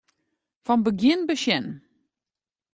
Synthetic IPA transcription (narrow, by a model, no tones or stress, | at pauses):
fɔnbəɡjɪnbəʃjɛn